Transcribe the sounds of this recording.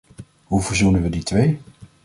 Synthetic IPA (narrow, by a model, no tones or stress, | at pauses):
ɦuvəɹzunənʋəditʋej